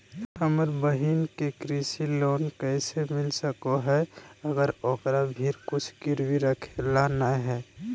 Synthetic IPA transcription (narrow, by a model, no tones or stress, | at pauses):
həməɾbəɦinkekɾisiloːnkɛːsemɪlsəkoɦɛəɡəɾokɾabʱiːɾkʊt͡ʃʰkɪɾwiɾəkʰelanaɦɛː